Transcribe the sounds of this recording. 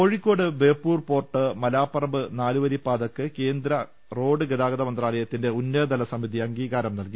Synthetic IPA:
oːɻikʲːo̞ːɽɨbe̞ːpːuːrpo̞ːrʈːɨmɐlaːpːɐrɐbɨnaːluʋɐɾipːaːd̪ɐkːɨke̞ːnd̪ɾɐ | ro̞ːɖɨɡeðaːɡɐðɐmɐnd̪raːlɐjɐt̪ːinde̞unːɐd̪ɐlɐsɐmiðiɐŋɡiːɣaːɾɐmnɐlki

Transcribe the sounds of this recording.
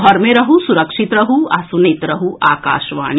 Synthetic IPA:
ɦɔɾmẽɾɐɦusuɾɐkʃit̪ɾɐɦuasunet̪ɾɐɦuʔa̰ːka̰ːʃʋa̰ːñ

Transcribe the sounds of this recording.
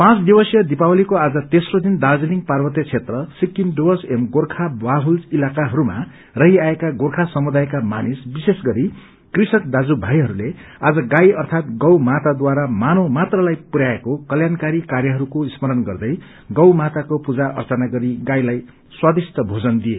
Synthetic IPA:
pãt͡sd̪ibʌsjʌd̪ipawʌlikoad͡zʌt̪esrod̪ind̪ad͡zʌniŋ̚parbʌt̪jʌt͡sʰet̪rʌsikːimɖuwʌsemɡorkʰawaɦulilakaɦʌɾuma̰ | rʌɦiaekaɡorkʰasʌmud̪ajkamanisbisesɡʌɾi | krisʌk̚d̪ad͡zubʱajɦʌɾulead͡zʌɡajʌrt̪ʰat̪̚ɡʌwmat̪ad̪waɾamanomat̪rʌlajpuɾaekokʌljankaɾikaɾjʌɦʌɾukoismʌɾʌnɡʌrd̪ʌj | ɡʌwmat̪akopud͡zaʔʌ̰rt͡sʌnaɡʌɾiɡajlaj | swad̪ist̪ʌbʱod͡zʌnd̪ie

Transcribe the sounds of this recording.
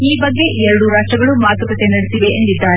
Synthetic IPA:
iːbɐɡːe̞ʔɛɾɐɽuɾaːʂʈɾɐɡɐɭumaːɡ̪ʱɐpɐt̪enɐɽesiʋe̞ʔːnd̪id̪ːaːɾe

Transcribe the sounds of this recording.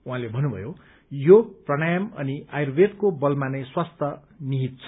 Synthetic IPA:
uɦãlebʱʌnːubʱʌ̰jo | joprʌɽ̃ʌjʌmʌ̰niajrbed̪kobʌlmaneswast̪ʰʌ | niɦit̪̚t͡sʰʌ

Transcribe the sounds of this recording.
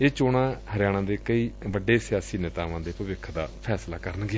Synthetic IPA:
eːt͡ʃoːɽãːhəɾɪjaːɽ̃ãːd̪eːkəiːbəɖeːsɪjaːsiːnɪt̪aːʋãːd̪eːpəʋɪkʰːd̪a̰ːpʰɛːslaːkəɾənɡɪaː

